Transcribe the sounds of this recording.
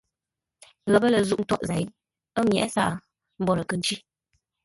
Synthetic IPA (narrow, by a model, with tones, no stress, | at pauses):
ɣə˨bə˦lə˨zu˦ʔn̩˦tɔ˦ʔza˨˦j | ə˦mjɛ̰˨ʔsa̰˦˨ʔ | m̩˦bɔ˨ɾə˨kə˨n̩˦t͡ʃi˦